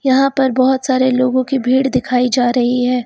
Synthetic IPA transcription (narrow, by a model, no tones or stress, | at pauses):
jɐɦãpɐɾbɔɦʊt̪saːɾeloːɡõkibʱiːɽd̪ɪkʰaːid͡ʒaːɾɐɦiɦɛː